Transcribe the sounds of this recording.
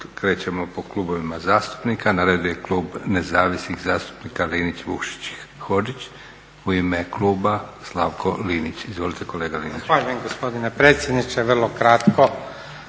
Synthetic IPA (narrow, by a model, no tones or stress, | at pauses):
kɾe̞ːt͡ɕemo̞po̞kluːbo̞ʋimazaːst̪u̥pnikanaɾed̪uje̞klˠuːbne̞zaːʋisnixzaːst̪u̥pnikaliːnit͡ɕʋukʃi̥t͡ɕ | xo̞d͡ʒit͡ɕ | uimekluːbaslˠaʋkʰo̞liːnit͡ɕizʋo̞lit̪eko̞le̞ːɡaliːnixt͡ʃʋaːʎujemɡospod̪inepɾeːt̪sjed̪nit͡ʃeʋr̩lˠokɾat̪ko